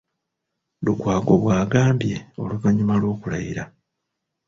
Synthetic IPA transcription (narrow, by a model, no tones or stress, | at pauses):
lukwaːɡo̞βwaːɡaːmbje̞o̞̰lukaɲumalo̞ːkula̰jiɾa